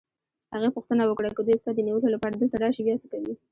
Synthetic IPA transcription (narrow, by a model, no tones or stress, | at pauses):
haɣapuxt̪ənawəkɽakad̪ujst̪ɑd̪əniwəkolapɑɾad̪əlt̪aɖɑʃebjɑsəkawi